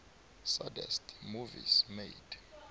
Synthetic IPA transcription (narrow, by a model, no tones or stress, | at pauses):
sadɛ̰stʰmuvḭzmejd̥